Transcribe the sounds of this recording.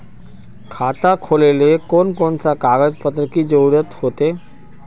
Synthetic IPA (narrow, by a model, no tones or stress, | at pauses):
kʰaːt̪akʰoːlelekoːnkoːnsakaːɡəd͡ʒpət̪ɾəkid͡ʒoɾət̪hoːt̪eː